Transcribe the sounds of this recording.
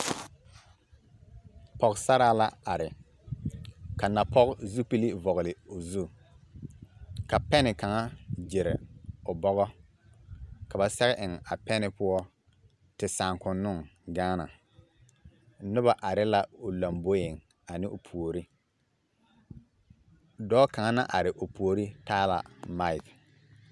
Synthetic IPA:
pɔ˨ɣsa˦ɾaː˦la˦a˨ɾɪ˨ | ka˨na˨pɔ˦ɣzu˦pi˦li˦vɔ˨ɣlɪ˨ʊ˨zu˦˨ | ka˨pɛ˦nɪ˨ka˨ŋa˦d͡ʒɪ˨ɾɪ̰˨ʊ˨bɔ˦ɣɔ˦ | ka˨ba˨sɛ˦ɣɛ˦ʔɪ˨ŋa˨pɛ˦nɪ˨pʊ˦ɔ˦ | tɪ˨saː˨ŋkʊ˨nːʊ˦˨ŋɡaː˦na̰˨˦ | nʊ˦ba˨ʔa˨ɾɪ˦la˦ʊ˨la˨mbo˦jɪ˨ŋ | a˨nɪ˦ʔʊ˨pʰu˨o˨ɾi˦ | dɔː˦ka˨ŋa˦na̰˦ʔa˨ɾɪ˨ʔʊ˨pu˨o˨ɾi˦taː˦la̰˨ma˦ɪ˨k

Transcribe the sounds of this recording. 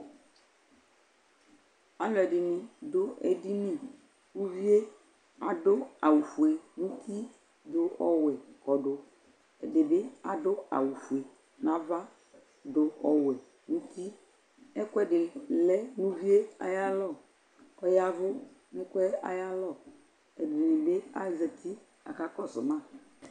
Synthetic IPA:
a˨lɛ˨ɖɪ˨nɪ̃˨do˦ḛ˨di˦nĩ˦˨ | wũ˦vi˦e˦ | a˨dʊ˦a˨wu˨fu˨e˨ŋũ˦t̪i˦ | do˦ʔɔ˦wɛ˨kɔ˨ɖʊ˨ | ɛ˨dɪ˨be˦a˨dʊ˦a̰˨wu˨fu˨e˨ | nã˦va˦ | dʊ˨ʔɔ˨wɛ˨ | nũ˦t̪i˦ | ɛ˦kʊ˦ɛ˦ɖɪ˨lɛ˦nũ˦vi˦e˦a̰˨ja˦lɔ˦˨ | ɔ˨ja˦vʊ˦ | nɪ̃˦kwɛ˦a̰˨ja˦lɔ˦˨ | ɛ˨di˨nĩ˨be˦a˨˦zɛ˨t̪i˦ | a̰˨ka˦kɔ˦sʊ̰˨mã˦˨

